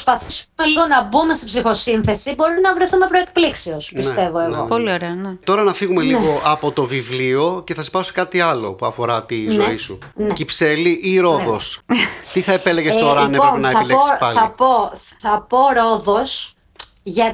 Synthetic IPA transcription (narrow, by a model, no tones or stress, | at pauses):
spɐθisumeliɣo̞nɐbume̞st̪i̥psixo̞sinθe̞sibo̞ɾinɐvɾe̞θume̞pɾo̞ek̚pliksiospinset̪e̞vo̞eɣo̞̰polioɾeɐnet̪o̞ɾɐnɐfiɣume̞liɣo̞ʔɐpo̞t̪o̞vivlio̞ce̞θɐsi̥pɐose̥kɐt̪iɐlo̞̰puɐfo̞ɾɐt̪izo̞isu | ncipse̞liʔiɾo̞ðo̞st̪iθɐepeleʝesst̪oɾɐneonɐeɐleoɐɐpo̞θɐpo̞ɾo̞ðo̞s | ʝɐ